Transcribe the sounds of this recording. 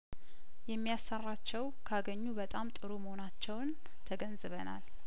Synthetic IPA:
jɛmːijasːərːat͡ʃːɛw | kʰaɡəɲːubət̪ʼamt̪ʼɨɾuməho̞nat͡ʃːɛwn | t̪ʰəɡənzɨβəna̰l

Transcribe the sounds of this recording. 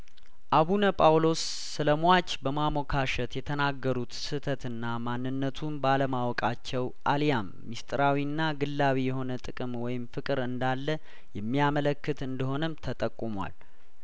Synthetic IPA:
ʔaβunəpʼawlo̞sː | ɨləmat͡ʃːbəmamo̞kʰaʃət̪jɛt̪ʰənaɡːəɾut̪sɨt̪ʰət̪ɨnːamanːɨnːət̪ʰumbaləmawɔkʼat͡ʃːɛw | ʔalijamːist̪ʼɾawinːaɡɨlːawijɛɦo̞nət̪ʼɨkʼɨmwɔjɪmfɨkʼɨɾɨnd̪alːə | jɛmːijamələkːɨt̪ɨnd̪əho̞nəmt̪ʰət̪ʼəkʼːumwa̰l

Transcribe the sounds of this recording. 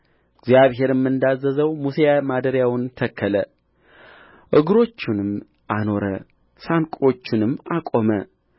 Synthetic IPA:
ɪɡzjaβɦe̞ɾɨmːɨnd̪azːəzəwmusejamad̪əɾjawʊnt̪ʰəkʰːələ | ʔɨɡɾo̞t͡ʃːɪnɨm | ʔano̞ɾə̰ | sankʼo̞t͡ʃːɪnɨmːakʼo̞mə

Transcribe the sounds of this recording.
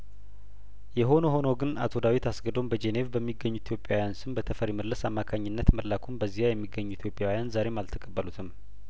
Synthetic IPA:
jɛɦo̞noho̞nowɡɨna̰t̪ʰo̞d̪awit̪ʰasɡəd̪o̞mbəd͡ʒene̞vbəmːiɡːəɲːuit̪ʰjo̞pʼjawjansɨmbət̪ʰəfəɾiməlːəsamːakʰaɲːɪnːət̪məlːakʰumbəzːihajɛmːiɡːəɲːuit̪ʰjopʼjawijanzaɾe̞malt̪ʰəkʼəbːəlut̪ʰɨm

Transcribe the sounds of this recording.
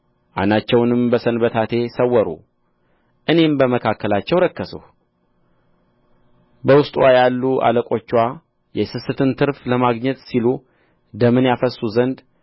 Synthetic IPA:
ʔa̰nat͡ʃːɛwnɨmbəsənbət̪ʰat̪ʰe̞səwːəɾṵ | ʔɨne̞mbəməkʰakːəlat͡ʃːɛwɾəkːəsṵh | bəwʊst̪ʼwajalːuʔa̰ləkʼo̞t͡ʃːwa | jɛsɨsɨt̪ʰɨnt̪ʰɨɾfləmaɡɲɛt̪silu | d̪əmɨnjafəsːuzənd̪

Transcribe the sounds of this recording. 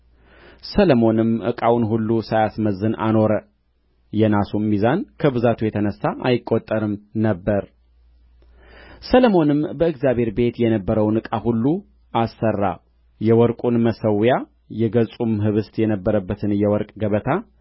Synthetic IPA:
sələmo̞nɨmʔɨ̰kʼawnɦulːusajasməzːɨnʔa̰no̞ɾə | jɛnasumːizankʰəβɨzat̪ʰujɛt̪ʰənəsːaʔajɪkʼːot̪ʼːəɾɨmnəbːəɾ | sələmo̞nɨmbəɨɡzjaβʱhe̞ɾbe̞t̪jɛnəbːəɾəwnɨkʼahulːu | ʔasːərːa̰ | jɛwɔɾkʼunməsəwja | jɛɡəsʼumɦɨβɨst̪jɛnəbːəɾəbːət̪ʰɨnjɛwɔɾkʼɡəβət̪ʰa

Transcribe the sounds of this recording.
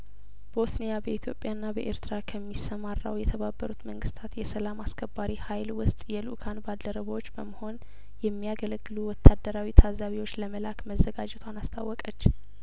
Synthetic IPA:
b̥osnijabəit̪ʰjo̞pʼːjanːabəʔḛɾt̪ʰɾakʰəmːisːəmarːa̰wjɛt̪ʰəβabːəɾut̪məŋɡɨst̪ʰat̪jɛsəlamaskʰəbːaɾihajlwʊst̪ʼjɛlukʰanbalːəɾəβəwot͡ʃːbəməho̞n | jɛmːijaɡələɡːɨluwɔt̪ʰːad̪ːəɾawit̪ʰazaβiwo̞t͡ʃːləməlakməzːəɡad͡ʒɛt̪ʰʷanast̪ʰawːɔkʼət͡ʃː

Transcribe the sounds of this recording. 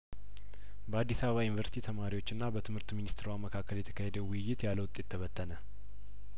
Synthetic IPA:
bəad̪ːisaβəβajɪnvəɾsi̥t̪ʰit̪ʰəmaɾiwo̞t͡ʃːɨnːabət̪ʰɨmhɨɾt̪minist̪ʰɾawaməkʰakːəljɛt̪ʰə̥kʰahed̪əwʊjːɪt̪jaləwʊt̪ʼːe̞t̪ʰːəβət̪ːənə

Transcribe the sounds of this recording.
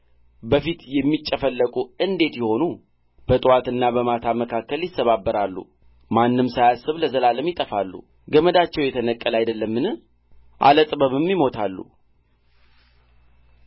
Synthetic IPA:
bəfit̪jɛmːit͡ʃʼːəfəlːəkʼuɨnd̪e̞t̪jɛho̞nu | b̥ət̪ʼwat̪ɨnːabəmat̪ʰaməkʰakːəljɪsːəβabːəɾalːṵ | manːɨmsajasːɨβləzəlaləmjɪt̪ʼəfalːṵ | ɡəməd̪at͡ʃːɛwjɛt̪ʰənəkʼːəlajd̪əlːəmːɨnɨ | ʔa̰lət̪ʼbəβɨmːimo̞t̪ʰalːṵ

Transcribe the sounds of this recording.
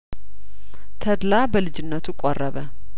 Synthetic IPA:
t̪ʰəd̪labəlɨd͡ʒɪnːət̪ʰukʼorːəβə

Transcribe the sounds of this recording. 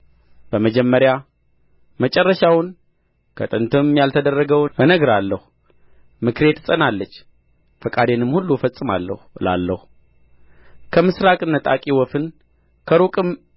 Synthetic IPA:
b̥əməd͡ʒɛmːəɾja | mət͡ʃʼɛrːəʃawʊn | kʰət̪ʼɨnt̪ʰɨmjalt̪ʰəd̪ərːəɡəwɨnəɡɾalːəhu | mɨkɾe̞t̪ːɨsʼənalːət͡ʃː | fəkʼad̪enɨmhulːufəsʼːɨma̰lːə̰hɨla̰lːəhu | kʰəmɨsɾakʼɨnːət̪ʼa̰kʼiwɔfɨn | kʰəɾukʼɨm

